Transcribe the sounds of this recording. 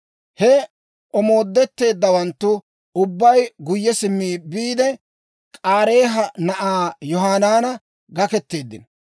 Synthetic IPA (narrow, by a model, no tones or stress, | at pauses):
hɛ | ʔɔmo̞ːd̪ːɛt̪ːe̞ːd̪ːɐwɐnt̪ːʊ | ʊbːɐjɡʊjːɛsɪmːiːbiːd̪ɛ | kʼaːɾe̞ːɦɐnɐʔaːjɔɦaːnaːnɐ | ɡɐkɛt̪ːe̞ːd̪ːɪnɔ